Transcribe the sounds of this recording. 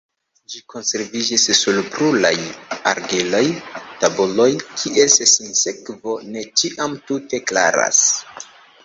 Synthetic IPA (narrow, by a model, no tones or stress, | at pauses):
d͡ʒiko̞nse̞ɾvid͡ʒisːulbɾulaja̰ɾɡilo̞jtabulo̞jkʰiʔe̞ssinse̞kvo̞ne̞t͡ʃiʔamtute̞kla̰ɾa̰s